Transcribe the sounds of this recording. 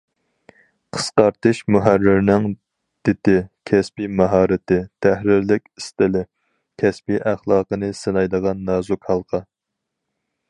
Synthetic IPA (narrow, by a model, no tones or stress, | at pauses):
qʰə̥sqɑɾt̪ʰɨʃmuɦærːɪɾnɪŋ | d̪̥ɪt̪ɪkʲʰɛspimɑɦɑːɾɪt̪ɪt̪ʰæhɾɪɾlɪkʲist̪ɪlɪ | kʲʰɛspiʔæχlˠɑːqənɨsɨnɑjd̪əʁɑnːɑːzukhɑlˠqʰɑ